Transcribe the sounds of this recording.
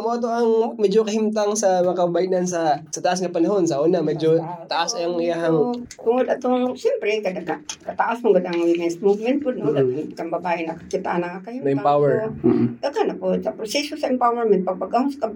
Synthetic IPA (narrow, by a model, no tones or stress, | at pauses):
ɐmoʔɐt̪̬oʔɐŋmɛd͡ʒokɐhɪmt̪aŋsɐmɐakɐbbajnansɐsɐt̪ɐʔasŋɐpɐnɐɦo̞nsɐʔoːnɐmɛd͡ʒot̪ɐʔasajaŋɪjaɦɐŋkʊŋod̪ɐt̪oŋsɛmpɾɛkɐd̪aɡakɐt̪aʔasmoɡɐd̪aŋɡimɛsmuvmɛnt̪̚pʊd̪nod̪akɐmbɐbaːʔɪnɐkakit̪a̰nɐŋakɐhimoɛmpawɛɹd̪ɐkanɐpʊsɐpɾosɛsosɐɛmpawɛɹmɛnt̪̚pɐɡ̚pɐɡaɦska